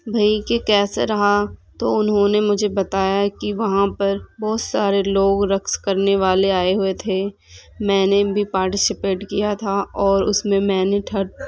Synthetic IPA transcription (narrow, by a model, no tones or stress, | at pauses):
bʱaikekɛːseɾɐɦat̪oʊnɦõnemʊd͡ʒʱebɐt̪aːjakiʋɐɦãpɐɾbɔːt̪saːɾeloːɡɾɐkskɐɾneʋaːleaːeɦʊet̪ʰe | mɛ̃ːnebʱipaːɾʈɪsɪpeːʈkijat̪ʰaɔːɾʊsmẽmɛ̃ːneʈʰɐɽ